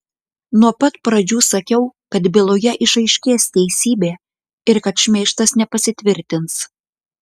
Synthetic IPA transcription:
nuɔpɐt̪pɾɐd͡ʒʲuːsɐkʲɛʊkɐt̪bʲɪlˠoːjɛʔɪʃɐɪʃʲkʲeːst̪ʲɛɪsʲiːbʲeː | ɪɾkɐt̪ʃʲmʲeːʃt̪ɐsnʲɛpɐsʲɪt̪ʲʋʲɪɾʲt̪ʲɪns

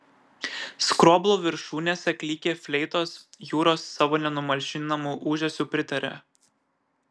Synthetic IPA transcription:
skɾoːblˠuːʋʲɪɾʃuːnʲeːsʲɛkʲlʲiːkʲeːfʲlʲɛɪt̪oːsjuːɾoːsːɑːʋoːnʲɛnʊmɐlʲʃʲɪnɐmuːʔuːʒʲɛsʲuːpʲɾʲɪt̪ɐɾʲɛ̰

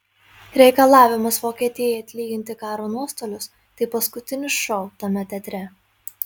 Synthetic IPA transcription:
ɾʲɛɪkɐlˠɑːʋʲɪmɐsʋoːkʲiɛt̪ʲɪɛjɛjɐt̪ʲlʲiːɡʲɪnʲt̪ʲɪkɑːɾoːnuɔst̪oːlʲʊs | t̪ɐɪpɐskʊt̪ʲɪnʲʊʃɔʊt̪ɐmʲɛt̪ʲɛt̪ʲɾʲɛ

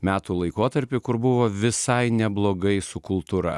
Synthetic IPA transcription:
mʲæːt̪uːlˠɐɪkoːt̪ɐɾʲpʲɪkʊɾbʊʋoːʋʲɪsɐɪnʲɛblˠoːɡɐɪsʊkʊlˠt̪uɾɐ̰

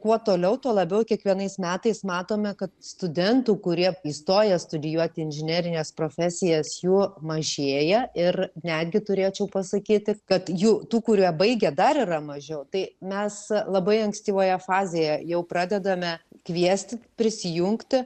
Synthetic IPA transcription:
kuɔt̪oːlʲɛʊt̪uɔlˠɐbʲɛʊkʲiɛkʋʲiɛnɐɪsmʲæːt̪ɐɪsmɑːt̪oːmʲɛkɐt̪st̪ʊd̪ʲɛnt̪uːkʊɾʲiɛiːst̪oːjɛst̪ʊd̪ʲɪjuɔt̪ʲɪɪnʲʒʲɪnʲæːɾʲɪnʲeːspɾoːfʲæːsʲɪjɛsjuːmɐʒʲeːjɛɪrnʲæːd̪ʲɡʲɪt̪ʊɾʲeːt͡ʃʲɛʊpɐsɐkʲiːt̪ʲɪkɐt̪juːt̪uːkʊɾʲiɛbɐɪɡʲɛd̪ɐɾiːrɐmɐʒʲɛʊt̪ɐɪmʲɛslˠɐbɐɪɐŋksʲt̪ʲiːʋoːjɛfɑːzʲejɛjɛʊpɾɑːd̪ʲɛd̪ɐmʲɛkʋʲiɛsʲt̪ʲɪt̪ʲpʲɾʲɪsʲɪjuŋkt̪ʲɪ

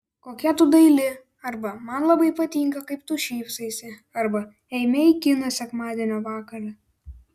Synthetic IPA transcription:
koːkʲɛt̪ʊd̪ɐɪlʲɪ | ɐɾbɐmɐnlˠɐbɐɪpɐt̪ʲiːŋkɐkɐɪpt̪ʊʃʲiːpsɐɪsʲɪɐɾbɐ | ɛɪmʲɛɪkʲɪnɐsʲɛkmɑːd̪ʲenʲoːʋɑːkɐɾʲɐ

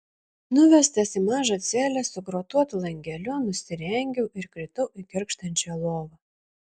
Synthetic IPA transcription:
nʊʋʲɛsʲt̪ʲɛsimɑːʒɐt̪sʲæːlʲɛsʊɡɾoːt̪uɔt̪lˠɐŋʲɡʲɛlʲʊnʊsʲɪɾʲɛŋʲɡʲɛʊʔɪɾkɾʲɪt̪ɐʊʔɪkʲɪɾkʃt̪ɐnʲt͡ʃʲɛlˠoːʋɐ

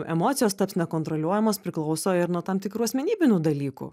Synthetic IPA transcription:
ɛ̰moːt̪sʲɪjoːst̪ɐpsnʲɛkoːnt̪ɾolʲuɔjɛmoːspʲɾʲɪklˠɐʊsoːɪɾnuɔt̪ɐmt̪ʲɪkɾuːɐsʲmʲɛnʲiːbʲɪnʲuːd̪ɐlʲiːkṵː

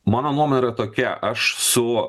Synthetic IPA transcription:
mɑːnoːnuɔmɔnʲɪɾɐt̪oːkʲɛ̰ʔɐʃsʊ

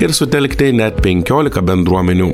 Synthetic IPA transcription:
ɪɾsʊt̪ʲɛlʲkt̪ʲɛnʲɛt̪pʲɛŋʲkʲoːlʲɪkɐbʲɛnd̪ɾuɔmʲɛnʲuː

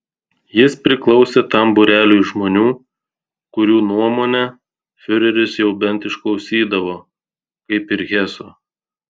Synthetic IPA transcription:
jɪspʲɾʲɪklˠɒʊsʲeːt̪ɐmbʊɾʲæːlʲuːʒmoːnʲuː | kʊɾʲuːnuɔmoːnʲɛ | fʲʊɾʲɛɾʲʊsjɛʊbʲɛnt̪ɪʃklˠɒʊsʲiːd̪ɐʋoː | kɐɪpɪɾɣʲɛso

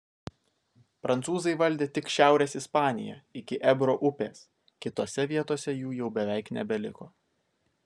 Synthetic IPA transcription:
pɾɐnt̪suːzɐɪʋɐlʲd̪ʲeːt̪ʲɪkʃʲæˑʊɾʲeːsɪspɑːnʲɪ̰jɛ̰ɪkʲɪʔɛbɾoːʔʊpʲḛːs | kʲɪt̪oːsʲɛʋʲiɛt̪oːsʲɛjuːjɛʊbʲɛʋʲæɪknʲɛbʲɛlʲɪkoː

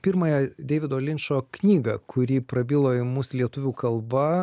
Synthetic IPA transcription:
pʲɪɾmɐjɛd̪ʲɛːʋʲɪd̪oːlʲɪnʲʃoːknʲiːɡɐkʰʊɾʲiːpɾɐbʲiːlˠoːɪmuːslʲiɛt̪ʊʋʲuːkɐlˠbɐ

